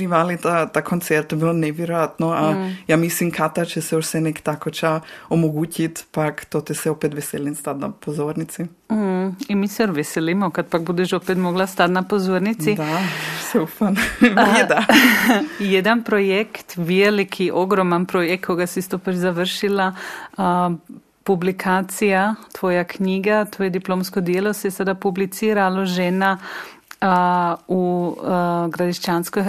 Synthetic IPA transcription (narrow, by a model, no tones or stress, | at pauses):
iʋalit̪at̪akʰont̪sɛɾt̪jbiloneʋjɛɾojat̪noajamislimkʰat̪at͡ʃɛsɛoʃsɛnɛkt̪akot͡ʃaomoɡuːcit̪pakt̪ot̪isɛopet̪ʋeselinst̪at̪na̰pozoɾnit̪si | imisɛoʋeselimokat̪̚pak̚bud̪ɛʃopet̪moɡlast̪at̪napozoɾnit̪sid̪asɛufanɛd̪a | jed̪anpɾojekt̪ʋelikʰiʔoɡɾomanpɾojek̚tkʰːo̞ɡasist̪opɾizaʋərʃila | publikʰaːt̪sijat̪ʋoːjakɲiːɡat̪oːjed̪iploːmskod̪jelosesad̪apublit̪siːɾaloʒena | u | ɡɾad̪iʃt͡ʃanskoj